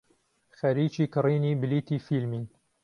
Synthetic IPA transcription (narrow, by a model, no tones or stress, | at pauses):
xæɾiːt͡ʃiːkɨriːniːbɪliːt̪iːfilmiː